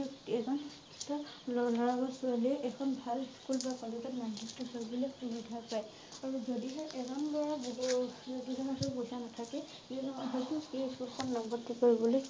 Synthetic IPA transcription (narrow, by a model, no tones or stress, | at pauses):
ɛzɔn | tɔlɔlɔɹabɔsualiɛʔɛkʰɔnbʱalskulbakɔlezɔtmandiktuɦɔbɔlɛunudʱapaj | aɹuzodiɦɛʔɛzɔnbɔɹab | duzɔnatɔpojsanatʰakɛ | iɦɔjtueskulxʰɔnlɔɡɔbɔtːikoɹibɔloj